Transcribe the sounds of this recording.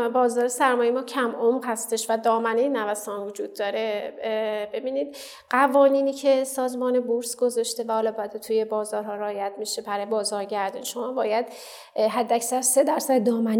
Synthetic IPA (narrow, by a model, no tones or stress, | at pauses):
bɒːzɒːɾesæɾmɒːjemɒːcʰæmʔomʁhæst̪e̞ʃvæd̪ɒːmænejnævæsɒːnvod͡ʒuːd̪̚ːɒːɾe | be̞biːniːd̪̚ | ɢævɒːniːniːcʰe̞sɒːzmɒːnebuɾsɡo̞zɒːʃt̪e̞væhɒːlɒːbæd̪et̪ʰuje̞bɒːzɒːɾɦɒːɾɒːjæd̪miʃebæɾɒːjebɒːzɒːɾɟæɾd̪ɒniʃo̞mɒːbɒːjæd̪ | ɦæd̪ːæcsæɾse̞d̪æɾsæd̪d̪ɒːmæn